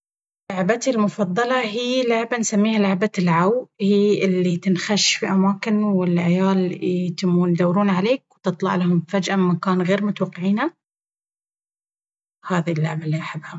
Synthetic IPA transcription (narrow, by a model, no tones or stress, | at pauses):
laʕbat̪ilmʊfɑðˤːɑlɑɦiːlaʕbansamːiːhalaʕbalʕawhiːʔɪlːit̪ɪnxaʃfiʔamaːkɪnwɪlʕjaːlt̪ɪmːuːnd̪awɾuːnʕaleːk̚wt̪ɨt̪ˤlɑ̰ʕlahʊmfad͡ʒʔammːakaːnɣeːɾmʊt̪awɑqːʕiːna | haːðilːʊʕbalːiʔaħabːha